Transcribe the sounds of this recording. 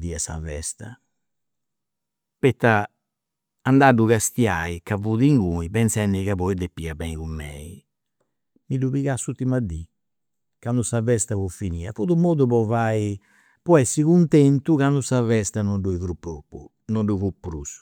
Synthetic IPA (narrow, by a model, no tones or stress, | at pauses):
d̪iasa̰vɛ̰st̪a̰ | pɛt̪ːa | and̪aduɣast̪jaːikavuðiŋɡuipɛnsɛndiɣaβɔid̪epːiabɛikumːɛːi | miduβiɣasːut̪ːimad̪i | kand̪usavɛst̪avɔfiniːafuðumoːðupɔvai | pɔɛsːikunt̪ɛnt̪uɣand̪usavɛst̪anɔnɖuiθɾupːopːu | nɔnɖufupːɾusu̥